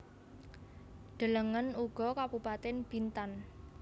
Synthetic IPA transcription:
ɖ̪̥ə̤ləŋənuɡ̥ɔ̤kabupat̪ɛnb̥int̪an

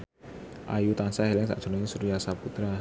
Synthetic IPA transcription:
ʔa̰jut̪ansahɛlɛŋsa̰ʔd̥ʒ̥onaɲisuɾijasaput̪ɾa

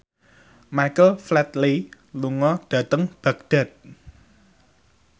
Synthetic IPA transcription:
majkəlflɛt̪li | luŋɔɖ̥ä̤t̪əŋb̥a̤k̚d̥ɛ̤t̪̚

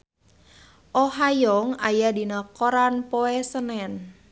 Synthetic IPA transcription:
ʔoɦajɔŋajadinəkoɾanpoɛsənɛn

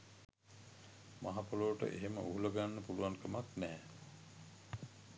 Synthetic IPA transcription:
maɦapuloːʈə̰ʔeɦemə̰ʔuɦuləɡanːəpuluwaŋkəmaknɛː

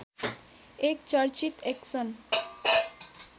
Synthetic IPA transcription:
ekt͡ʃʌɾt͡ʃit̪eksʌn

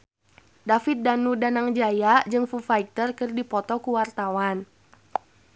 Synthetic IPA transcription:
dafit̪̚danudanaŋd͡ʒajad͡ʒɨŋfufait̪ərkɨrdipɔt̪ɔkuwart̪awan

